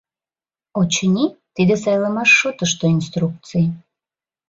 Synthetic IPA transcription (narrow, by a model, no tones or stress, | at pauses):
ot͡ɕənʲit̪id̪es̬ɑjlɑmɑʃːot̪əʃt̪oinst̪ɾuk̪̚t͡sɨj